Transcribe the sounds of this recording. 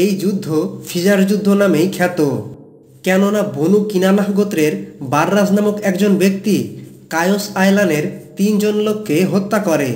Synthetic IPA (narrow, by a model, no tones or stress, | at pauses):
ejd͡ʑud̪ʱːofʰid͡ʑaɾd͡ʑud̪ʱːonamejkʰɛt̪o | kɛnonabʱonukinanaɦɡot̪ɾeɾbaɾːad͡ʑnamokɛkd͡ʑonbek̚t̪i | kajosajlaneɾt̪ind͡ʑonlokʰːeɦot̪ːakɔɾe